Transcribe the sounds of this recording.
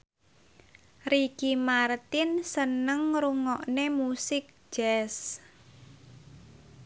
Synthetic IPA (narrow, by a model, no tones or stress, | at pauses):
rikimart̪ɪnsənəŋɾuŋɔʔnemusɪk̚d͡ʒ̥ɛs